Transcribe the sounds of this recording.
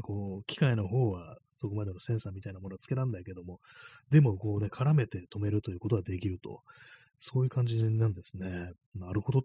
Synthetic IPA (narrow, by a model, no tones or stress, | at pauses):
ko̞ːkʲi̥kaino̞ɦo̞ːβa | so̞ko̞mad̪e̞nosẽɰ̃saːmʲit̪ainamo̞noat͡sɨ̥ke̞ɾãnd̪aike̞d̪o̞mo̞d̪e̞mo̞ko̞ːnekʰaɾame̞t̪e̞t̪o̞me̞ɾɯ̟t̪o̞jɯ̟ːko̞t̪oad̪e̞kʲiɾɯ̟t̪o̞̰ | so̞ːjɯ̟kãɲ̟d͡ʑinãnd̪e̞sɨne̞ | naɾɯ̟ho̞d̪o